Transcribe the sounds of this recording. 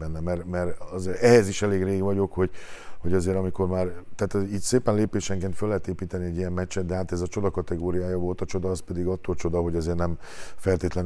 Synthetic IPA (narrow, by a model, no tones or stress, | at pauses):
ɛnːɛmɛrmɛɾɒzeɛɦɛziʃɛleːɡreːɡʋɒɟo̞kho̞ɟhoɟɒzeːɾɒmiko̞rmaːrt̪aːt̪iːt̪seːpɛnleːpeːʃɛŋkenfølːɛɦɛt̪eːpiːt̪ɛniɛɟːijɛmmɛt͡ʃːɛd̪̚d̪ɛɦaːt̪ɛzɒt͡ʃo̞d̪ɒkɒt̪ɛɡoːɾijaːjɒvo̞lt̪ɒt͡ʃo̞d̪ɒːspɛd̪iɡɒt̪ːoːlt͡ʃo̞d̪ɒɦo̞ɟɒzeːrnɛm | fɛlt̪eːt̪lɛn